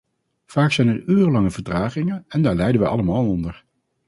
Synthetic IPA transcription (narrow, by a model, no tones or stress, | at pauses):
v̥aːksɛjnɛɹyːrəlɑŋəvəɹtraːχɪŋənɛndaːɹlɛjdənʋəʔɑ̰ləmaːlˠɔndəɹ